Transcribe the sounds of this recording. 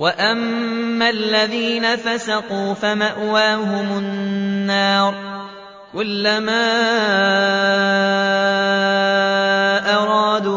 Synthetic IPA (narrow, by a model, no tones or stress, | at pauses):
waʔamːalːaðiːnafasaquːfamaʔwaːɦʊmʊnːɑːɾˤ | kʊlːamaː | ʔɑɾˤɑːd̪u